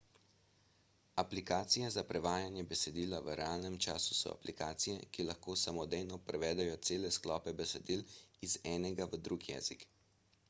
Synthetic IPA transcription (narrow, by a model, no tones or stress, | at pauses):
aplikaːt̪sijɛzapɾɛʋaːjanjɛbɛsɛd̪iːlaʋəɾɛaːlnɛmt͡ʃaːsu̥sɔ̰a̰plikaːt̪sijɛkilaxkoːsamɔd̪ejnɔpɾɛʋɛːd̪ɛjɔt̪seːlɛsklɔːpɛbɛsɛd̪iːlizɛːnɛɡaʋəd̪ɾuɡjɛ̰ːzik